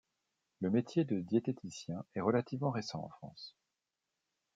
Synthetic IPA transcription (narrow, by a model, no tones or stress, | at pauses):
ləmet̪jed̪əd̪jet̪et̪ʰisjɛ̃ɛʁəlat̪ivmɑ̃ʁesɑ̰̃ɑ̰̃fχɑ̰̃s